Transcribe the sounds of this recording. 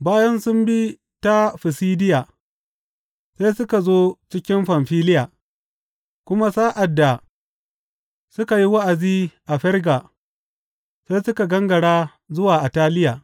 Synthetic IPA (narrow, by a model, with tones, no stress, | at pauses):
baː˦jɐ˦nsʊ˦mbi˦ | ta˦ɸɪ˨siː˦dɪ˦jaː˨ | sa˦jsʊ˦ka˨zoː˦t͡ʃɪ˦kʲɪ˦mɸɐ˨mɸiː˦lɪ˦jaː˨ | kʷʊ˦ma˦saː˦ʔa˨dːa˨ | sʊ˦ka˨ji˦wa˦ʔa˨ziː˦ʔa˨ɸɛ˦rɡa˨ | sa˦jsʊ˦ka˨ɡɐ˦ŋɡɐ˨ɽaː˦ | zʊ˦waː˨ʔa˨taː˦lɪ˦jaː˨